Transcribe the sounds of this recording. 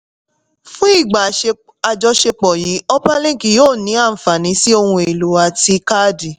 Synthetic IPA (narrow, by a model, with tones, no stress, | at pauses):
fũ˦i˦˨ɡ͡ba˨e˧ | a˧d͡ʒɔ˧ʃe˧k͡pɔ˨ji˨˦ɔ˦pa˦lĩ˦˨ki˨joː˦˨nĩ˨˦ã˦˨fa˨nĩ˨˦si˦o˧hũ˧e˨lu˨˦a˧ti˧ka˦di˨